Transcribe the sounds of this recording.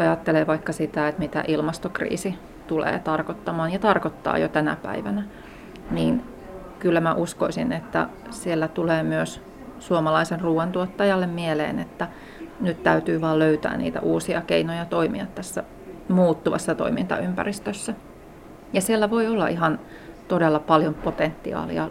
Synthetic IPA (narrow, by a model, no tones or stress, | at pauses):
ɑjɑt̪ːeleːʋɑikːɑsit̪æet̪mit̪æ̰ʔilmɑst̪okrḭːsi | t̪ulḛːt̪ɑrkot̪ːɑmɑːnjɑt̪ɑrkot̪ːɑ̰ːjo̰t̪ænæ̰pæ̰iʋænæ | niːn | kylːæmæʔuskoisinet̪ːæ̰sielːæt̪uleːmyøs | suomɑlɑisenruːwɑnt̪uot̪ːɑjɑlːemmielḛːnet̪ːæ | nyt̪t̪æyt̪yːʋɑːløyt̪æ̰ːnnḭːt̪æ̰ʔuːsiɑkeinojɑt̪oimḭɑt̪t̪ːæsːæ | muːt̪ːuʋɑ̰sːɑt̪o̰imint̪ɑ̰ympæ̰rist̪øsːæ | jɑsielːæʋoiolːɑʔiɦɑn | t̪odelːɑpɑljompot̪ent̪ːiɑ̰ːlḭɑ